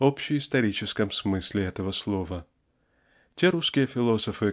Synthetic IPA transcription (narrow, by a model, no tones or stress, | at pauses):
opɕɪjɪst̪ɐɾʲit͡ɕɪskəmsmɨsʲlʲɪɛt̪əvəslˠo̞və | tʲeɾuskʲɪjəfʲɪlˠo̞səfɨ